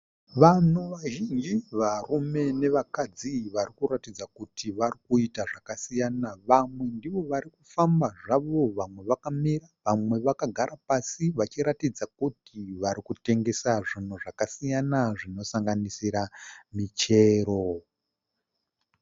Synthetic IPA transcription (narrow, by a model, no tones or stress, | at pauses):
ʋanuʋaʒind͡ʒiʋarume̞ne̞ʋakad͡ziʋarikuɾatid͡zakutʰiʋarikuitaʐakasijanaʋamwe̞ndiʋo̞ʋaɾikufambaʐaʋo̞ʋamwe̞ʋakamiraʋamwe̞ʋakaɡʱaɾʔapasiʋat͡ʃiɾatid͡zakutiʋaɾikute̞ŋɡe̞saʐin̤oʐakasijanaʐino̞saŋɡanisiɾamit͡ʃe̞ːɾo